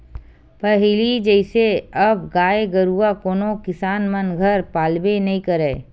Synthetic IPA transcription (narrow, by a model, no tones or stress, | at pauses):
pɐɦilid͡ʒɛɪseɐbɡaːeɡəɾuakoːnokɪsaːnmənɡʱɐɾpaːlbenɐĩkɐɾeː